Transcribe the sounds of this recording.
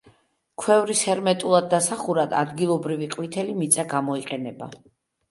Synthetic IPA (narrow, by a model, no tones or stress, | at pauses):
kʰwɛvɾisɛɾmɛt̪ʼulˠad̪ːasaχuɾad̪a̰d̪ɡilˠɔbɾiviqʼwit̪ʰɛlimit̪sʼaɡamɔiqʼɛnɛba